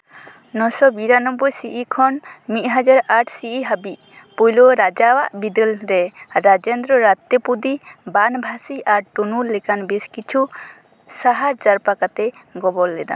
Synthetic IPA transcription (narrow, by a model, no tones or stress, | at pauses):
nɔsɔbiɾanɔbɔjsiʔikʰɔnmit̪̚ˀɦad͡ʒaɾaʈʰsiʔiɦabiʔ̚ | pujlɔɾad͡ʒawaʔbid̪əlɾɛɾad͡ʒɛnd̪ɾɔɾat̪ɔpud̪ibanbʱasiaɾʈunulːɛkanbiskit͡ʃʰu | saɦaɾd͡ʒaɾpakat̪ɛɡɔbɔlːɛd̪a̰